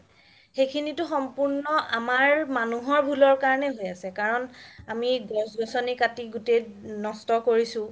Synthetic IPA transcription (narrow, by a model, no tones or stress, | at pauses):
xejkʰinitʊxɔmpuɹnɔamaɹmanuɦɔɹbʱulɔɹkaɹɔnɛɦojasɛkaɹɔnamiɡɔsɡɔsɔnikatiɡutejnɔstɔkoɹisʊ̃